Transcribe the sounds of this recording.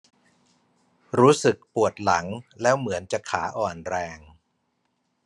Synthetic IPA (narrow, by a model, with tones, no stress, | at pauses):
ɾuː˦˥sɯ˨˩k̚pu˨˩ət̪̚la̰˩˦ŋlɛː˦˥wmɯ˩˦ənt͡ɕa˨˩kʰːa̰ː˩˦ʔɔː˨˩nɾɛː˧ŋ